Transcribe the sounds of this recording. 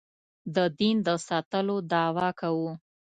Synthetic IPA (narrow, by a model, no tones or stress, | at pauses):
d̪əd̪ind̪əsɑt̪əlod̪ɑwɑkawu